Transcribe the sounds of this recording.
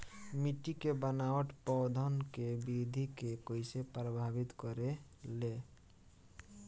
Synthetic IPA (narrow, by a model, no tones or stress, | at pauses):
miʈikebənaəʈpɔd̪ʱənkebid̪ʱikekojsepɾəbʱabit̪kɔɾele